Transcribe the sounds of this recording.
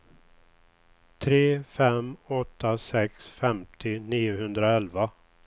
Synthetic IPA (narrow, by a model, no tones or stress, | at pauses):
t̪ʰɾeːfɛmɔt̪ʰːasɛksfɛmt̪ʰɪniːʊɦɵnd̪ɾaɛlva